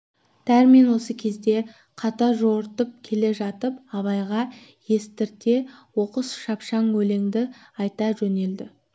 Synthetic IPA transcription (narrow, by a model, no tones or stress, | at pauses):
d̪̥æɾme̞nwo̞səkʲʰe̞zd̪e̞ | qʰɑt̪ɑʒoɾt̪əp̚kʲʰe̞le̞ʒɑt̪əpɑβɑjʁɑ | je̞st̪ɪɾt̪e̞wo̞qəsʃɑpʃɑŋwɵle̞ŋd̪ɪɑjt̪ɑʒɵne̞ld̪ɪ